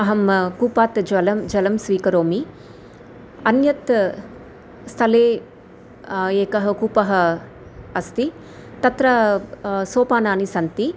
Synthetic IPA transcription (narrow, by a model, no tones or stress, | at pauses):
ɐɦɐmkuːpaːt̪d͡ʒɐlɐmd͡ʒɐlɐmsʋiːkɐɾoːmi | ɐnjɐt̪ | st̪ʰɐleː | eːkɐɦɐkuːpɐɦɐ̆ | ɐst̪i | t̪ɐt̪ɾɐ | soːpaːnaːnisɐnt̪i